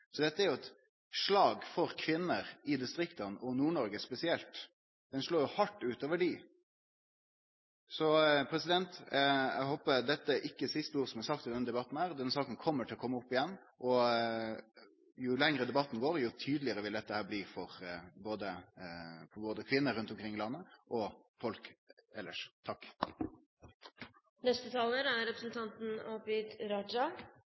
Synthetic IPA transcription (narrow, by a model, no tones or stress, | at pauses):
sɔd̪ɛt̪ːəæɾjʊɛt̪ | ʂlɑːɡfɔɾkʰʋɪnːəɾɪd̪ɪst̪ɾɪkt̪ɑnʔɔnuːɳɔɾɡəspɛsɪɛlt̪ | d̪̥ɛnʂloːjʊhɑʈːʉːt̪oːʋəɖɪ | sɔpʰɾɛsɪd̪ɛnt̪ɛ̰ɦoːpəd̪ɛt̪ːəæɾʔɪkːəsɪst̪əuːɾəsɔmhɑɾsɑk̚t̪ɪld̪ɛnːəd̪ɛbɑt̪n̩hæːɾd̪ɛnːəsɑːkənkʰɔmːəʈʰɪlɔkʰɔmːəʊpːɪjɛnː | ʔɔ | jʊlɛŋɾəd̪ɛbɑt̪ːn̩ɡoːɾjʊt̪ʰyːd̪lɪəɾəʋɪld̪ɛt̪ːəhæːbliːfɔɾboːd̪ə | fɔɾboːd̪əkʰʋɪnːəɾʉnt̪ɔmkʰɾɪŋːɪlɑnːəʔɔ | fɔlkɛlːə̰ʂt̪ʰɑkː | nɛst̪ət̪ʰɑːləɾæɾɾɛpɾəsnt̪ʰɑnt̪n̩obɪd̪ɾɑd͡ʒɑ